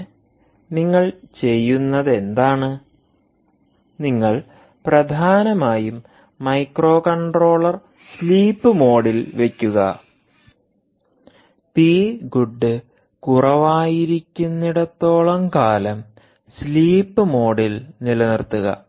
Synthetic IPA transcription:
niŋːɐɭt͡ɕe̞jːunːɐðe̞nd̪aːɳɨ | niŋːɐɭ | prɐd̪ʱaːnɐmaːjumː | ɐjkro̞ːkɐɳɖro̞ːɭɐr | sliːpːɨmo̞ːɽilʋe̞kʲːuɣɐ̰ | piːɡuɖːɨ | kurɐʋaːjiɾikʲːunːiɽɐt̪ːo̞ːɭɐmkaːlɐm | sliːpːɨmo̞ːɽilnilɐnirt̪ːuɣɐ̰

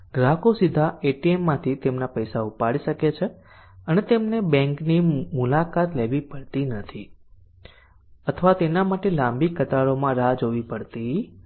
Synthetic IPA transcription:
ɡɾakosid̪ʱaeʈiemːãt̪ʰit̪emnapəjsaupaɭiʃəket͡ʃʰe | ənet̪emnebɛ̃ŋknimulakat̪leʋipəɽt̪inət̪ʰi | ət̪ʰəʋat̪enamaʈelãmbikːət̪aɭomãɾad͡ʒɦoʋipəɽt̪i

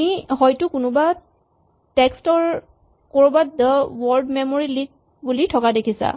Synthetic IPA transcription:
ihɔjtʊkʊnʊba | tɛkstɔɹ | koɹubadəwɔɹdmɛmoɹilik̚ | bulitʰɔkadekʰisa̰

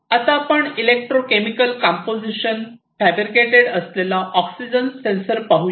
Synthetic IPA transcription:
at̪apəɳilek̚ʈɾokemikəlkãmpod͡ʑiɕənfæbɾikeʈeɽəslelaʔɔksid͡ʑənsensəɾpaɦu

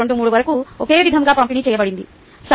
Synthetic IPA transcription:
oɳɖumuːɽuʋɐɾɐkuokeːʋid̪ʱɐŋɡaːpɐmpinit͡ʃɛːjɐbɐɽind̪i | s

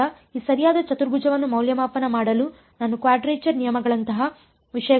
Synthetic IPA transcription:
ɐ | iːsɐɾijaːd̪ɐt͡ʃɐt̪uɾɡud͡ʒɐʋɐnːumɐwljɐmaːpːɐnɐmaːɽɐlu | nanːukʋaːɖɾeːt͡ʃɐɾnijɐmɐɡɐɭɐnt̪ɐɦɐ | ʋiʂɐjɐ

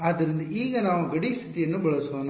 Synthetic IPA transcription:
aːd̪ɐɾind̪ɐiːɡɐnaːʋuɡɐɽist̪ʰit̪ijɐnːubɐɭɐsoːn

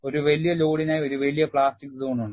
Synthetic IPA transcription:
o̞ɾuʋɐlijɐloːɽinaːjio̞ɾuʋelijɐpɭaːstikːɨt̪uːɳːuɳɖɨ

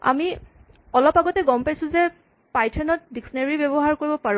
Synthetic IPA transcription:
a̰mi | ɔlɔpaɡɔtɛɡɔmpajsʊ̃zɛ | pajtʰɛnɔt̚diksɔneɹibebɔɦaɹkoɹibɔpaɹ̃

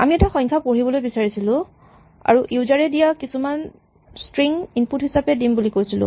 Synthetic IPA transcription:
a̰miɛtaxɔ̃ɲkʰapoɹibɔlojbisaɹisilʊ̃ | a̰ɹuʔiuzaɹɛdijakisuman | stɹiŋinputɦisapɛdimbulikojsilʊ̰̃

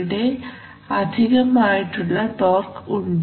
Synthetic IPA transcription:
ɽe̞ | ɐd̪ʱiɣɐmaːjiʈːuɭːɐʈoːrkuɳɖ

